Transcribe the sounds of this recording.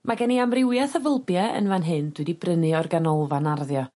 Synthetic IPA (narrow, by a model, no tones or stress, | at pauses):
maɡɛniamrɪwjaθəvəlˠbjɛə̰nvanɦɨnd̥wɨdibrənɨɔrɡanɔlˠvanarðjɔ